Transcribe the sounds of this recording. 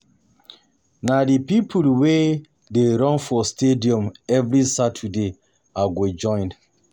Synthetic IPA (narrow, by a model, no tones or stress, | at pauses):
nadipipʰulwe | deɾɔ̃nfɔstediɔ̃mɛvɾisatʰude | aɡod͡ʒɔ̃ɪ̃nd